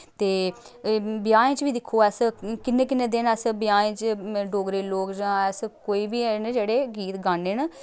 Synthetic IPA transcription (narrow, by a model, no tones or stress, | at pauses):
t̪eː | bjaːẽːt͡ʃʋiːd̪ɪkʰːoːɛːskɪnːẽːkɪnːẽːd̪ɪnɛsbjaːẽːt͡ʃɖoːɡɾeːloːkd͡ʒːɛːskoːiːbiːnd͡ʒeːɽeːɡiːt̪ɡaːneːn